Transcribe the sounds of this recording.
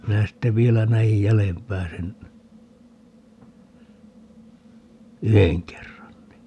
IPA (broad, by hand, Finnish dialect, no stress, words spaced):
minæ sitːe ʋielæ næij jælempæː sen yheŋ kerːɑn ni